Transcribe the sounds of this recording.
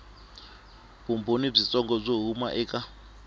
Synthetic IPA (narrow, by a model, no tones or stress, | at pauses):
bumbonib͡ʐit͡sʼɔŋɡɔb͡ʐoɦuma̰ʔɛːkʼa